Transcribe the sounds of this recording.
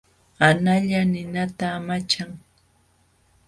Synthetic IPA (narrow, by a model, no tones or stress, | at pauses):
anaʎanɪnat̪aːmat͡ʃaŋ